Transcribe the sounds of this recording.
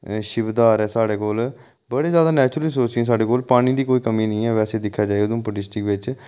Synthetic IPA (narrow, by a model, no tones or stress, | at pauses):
ʃɪʋd̪aːɾɛːsaːɽeːkoːl | bəɽeːzjaːd̪aːnɛːt͡ʃɾəlisoːt͡ʃĩːs̬aːɽeːkoːlpaːɽ̃iːd̪iːkoːiːkəmiːnəĩːɛːʋɛːseːd̪ɪkʰːjaːd͡ʒaːd̪ũːpəʈɪsʈɪkʋɪt͡ʃ